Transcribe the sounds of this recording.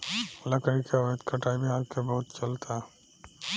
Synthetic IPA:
lɐkəikʰeət̪kaʈaːibʱiɦaːlkʰebɐɦʊt̪t͡ʃɐlt̪ʰa

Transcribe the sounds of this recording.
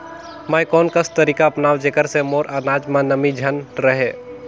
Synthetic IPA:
maːjkɔːnkəst̪əɾiːkaəpnaːwd͡ʒekəɾsemoːɾanaːd͡ʒmãnəmid͡ʒʱənɾəɦe

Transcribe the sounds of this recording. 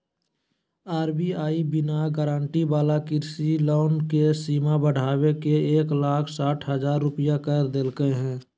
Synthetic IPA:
aːɾbiaːibɪnaɡəɾãːɳʈibaːlakɪɾsiloːnkesiːmabəɽ̤aːwekeeːklaːkʰsaːʈʰɦəzaːɾːʊpijakəɾd̪elkəeɦɛ̃ː

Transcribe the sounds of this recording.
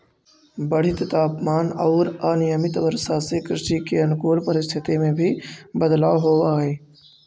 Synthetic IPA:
bəɽ̤ɪt̪t̪aːpmaːnɔːɾaːnɪjəmɪt̪ʋəɾsasekɾɪʃikeɐnʊkoːlpəɾɪst̪ʰɪt̪emẽbʱibəd̪laːʋɦoːaːeː

